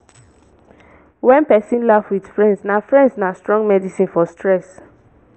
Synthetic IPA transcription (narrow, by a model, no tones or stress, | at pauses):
wɛ̃npɛsĩnlafwid̥fɹɛ̃ndsnafɹɛ̃ndsnastɹɔ̃ŋɡmɛdisĩnfɔstʰɹɛs